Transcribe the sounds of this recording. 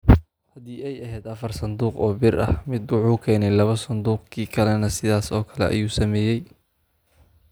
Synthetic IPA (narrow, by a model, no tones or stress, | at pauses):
hɐd̪iːɛjɐɦɛːd̪ɐfɐrsɐnd̪uːqɔːbɪrʔɐ̰hmɪd̪wɑħuːkʰɛːnɛjlɐβɐsɐnd̪uːqkʰiːkʰɐlɛnɐsɪðaːsɔːkʰɐlɛ̰ʔɐ̰juːsɐmɛːjɛj